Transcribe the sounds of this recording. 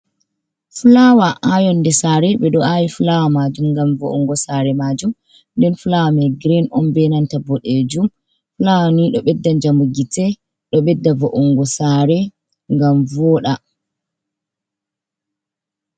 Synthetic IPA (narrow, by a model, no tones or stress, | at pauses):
fulawaʔajɔnːdɛsaːɾɛɓɛɗɔʔajifulawamad͡ʒumŋɡamvo̰ʔɔŋɡɔsaɾɛmad͡ʒum | ndɛnfulawamɛɡɾinɔmbɛnantabɔɗed͡ʒum | fulawaniɗɔɓɛdːaɲd͡ʒamuɡitɛ | ɗɔɓɛdːavoʔuŋɡɔsaɾɛ | ŋɡamvɔːɗa